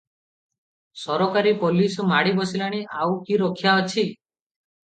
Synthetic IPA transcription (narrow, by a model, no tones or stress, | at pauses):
sɔɾokaɾipolismaɽibɔsilaɽ̃iʔawkiɾɔkʰjaɔt͡ʃʰi